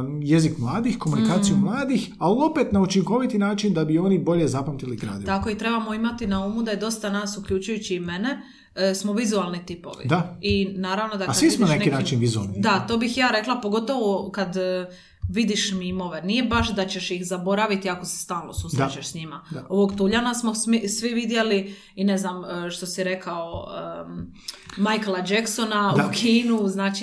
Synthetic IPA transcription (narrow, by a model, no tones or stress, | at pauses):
je̞zikmlˠaːd̪ixko̞munikaːsijumlˠaːd̪ix | alio̞pet̪naut͡ʃiŋko̞ʋit̪inaːt͡ʃind̪abio̞nibo̞ʎezapamt̪iliɡɾa̰ːd̪ilt̪ako̞it̪ɾe̞bamo̞imat̪inaumud̪aje̞d̪o̞st̪anaːsukʎut͡ʃujut͡ɕiːme̞ne̞ | smo̞ʋizualˠnit̪ipo̞̰ʋḭd̪ainaːɾaʋnod̪akasʋismoonanekinaːt͡ʃinʋizua̰lˠnid̪at̪o̞ːbixjaːɾe̞klˠapoɡo̞t̪o̞ʋokad̪ | ʋid̪iʃmimo̞ʋe̞nije̞baʃd̪at͡ɕe̞ʃjixzabo̞ɾaʋit̪iako̞se̥st̪aːlˠno̞suːsɾt͡ʃeʃsɲimao̞ʋo̞ɡt̪uʎanasmo̞sisʋiʋid̪je̞li | ineznaməʃt̪o̞siɾe̞kaoə | majklˠad͡ʒekso̞naukʰiːnuznaːt͡ʃi